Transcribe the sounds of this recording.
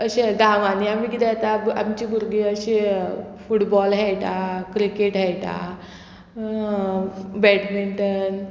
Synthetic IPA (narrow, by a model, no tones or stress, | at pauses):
əɕeɡãʋaniamiːkid̪ɛt̪aa̰mt͡ɕibʱuɾɡiəɕefuʈbɔlɦɛjʈ̪akɾikeʈɦɛjt̪a̰ | bɛʈmiɳʈən